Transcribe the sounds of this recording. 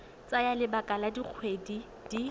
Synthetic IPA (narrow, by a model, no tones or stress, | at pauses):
t͡sʼajalɪbakʼaladik͡xʰwedi | d̥i